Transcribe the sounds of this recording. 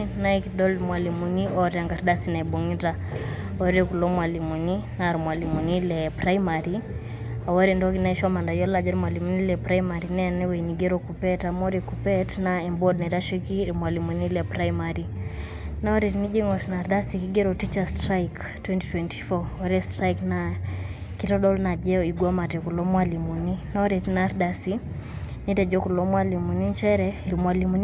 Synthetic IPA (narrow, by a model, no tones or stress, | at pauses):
naikidɔlmwalimuniɔɾaŋɡaɾdasinaɛbɔŋita | ɔɾɛkulɔmwalimuninaɾmwalimunilɛpɾaimaɾi | awaɾɛndɔkinaɛʃɔmandajɔlad͡ʒaɾmwalimunilɛpɾaimaɾinɛnɛwɛniɡɛɾɔkupɛtamɔɾɛkupɛtnaɛmbɔdnaiɾaʃɛkiɾmwalimunilɛpɾaimaɾi | nɔɾetnid͡ʒeŋɔtnaɾdasikiɡeɾɔtit͡ʃastɾajk | twɛnti̥twɛnti̥fɔwaɾɛstɾajkna | kitɔɗɔlnad͡ʒɛɔiɡwɔmatɛkulɔmwalimuninɔɾetnaɾdasi | nitɛd͡ʒɔkulomwalimunint͡ʃɛɾɛiɾimwalimuni